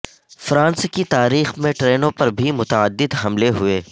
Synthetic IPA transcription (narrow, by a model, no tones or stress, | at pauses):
fɾãːnskit̪aːɾiːxmẽʈɾeːnõpɐɾbʱimʊt̪ɐəd̪ːɪd̪ɦɐmleɦʊeː